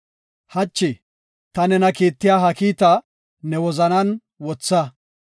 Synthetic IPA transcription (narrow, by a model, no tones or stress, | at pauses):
hɐt͡ʃːɪ | t̪ɐnɛnɐkiːt̪ːɪjaːɦɐkiːt̪ɐ | nɛwɔzɐnɐn | wɔt͡sːɐ